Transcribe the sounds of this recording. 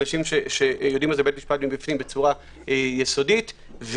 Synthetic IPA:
naʃimʃe̞ʃe̞jo̞d̪imalzebetmiʃpat̚bimbifnimbet͡suʁa | ejeso̞dit | v

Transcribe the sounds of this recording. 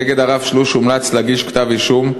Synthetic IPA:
eɡe̞d̪aʁavʃluʃumlat͡slaɡiʃkt̪aviʃum

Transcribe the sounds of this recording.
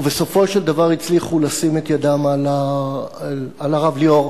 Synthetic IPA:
be̞so̞fo̞ʃeld̪avaʁit͡sliχulasimet̪jad̪amala | alaʁavlio̞ʁ

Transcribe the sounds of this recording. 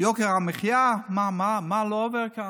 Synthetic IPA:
jokeʁameχjamamamaloːveʁka

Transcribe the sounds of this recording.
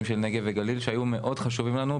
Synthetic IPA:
mʃelne̞ɡeveɡalilʃeajume̞ʔo̞dχaʃ̬uvimlanu

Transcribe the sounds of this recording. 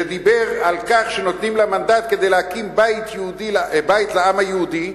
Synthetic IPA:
ed̪ibeʁalkaχʃeno̞t̪nimlamand̪at̪̚ke̞d̪ejleakimbait̪jehud̪ibait̪leamhajehud̪i

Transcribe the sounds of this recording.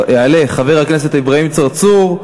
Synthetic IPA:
eale̞χave̞ʁhaknes̬etaibʁaimt͡saʁt͡suʁ

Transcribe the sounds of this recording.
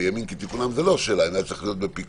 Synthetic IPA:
jamimket̪ikunamvelo̞ʃelaimatatt͡ssɐixlijo̞t̪bepik

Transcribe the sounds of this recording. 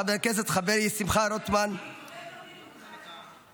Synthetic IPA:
abeɾkezet̪χabeɾisimχaɾot̪man

